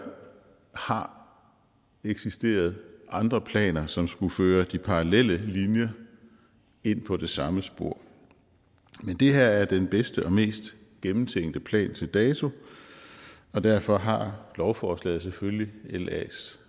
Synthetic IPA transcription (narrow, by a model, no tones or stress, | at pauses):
hɑ̈ | eɡ̥sisd̥e̝̰ːɐð̞̩ˠʔɑ̈nd̥ʁɐpʰlɛ̰ːnɐsɒ̽msɡ̥uføːɐd̥ipʰɑ̈ʁɑlel̰əlinjɐ | e̝n̰pʰɒ̽d̥e̝sɑ̈məsb̥o̝ɐ̰ | mend̥e̝ɦæɐ̰æɐd̥enb̥esd̥əʔɒ̽me̝̰ːsd̥ | ɡ̥emm̩t͡sʰeŋ̰d̥əpʰlɛ̰ːnt͡sʰe̝ld̥ɛːt͡sʰo̝ | ɒ̽d̥æɐ̰fɒ̽ɦɑ̈lɒʊfɒːslɛ̰ːð̩ˠsefølielɛ̰s